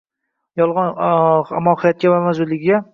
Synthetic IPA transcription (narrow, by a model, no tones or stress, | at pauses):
jɒlˠʁɒnamːɒhɪjɒt̪̚kʲabaɾmazʊlːɪɡʲɡʲa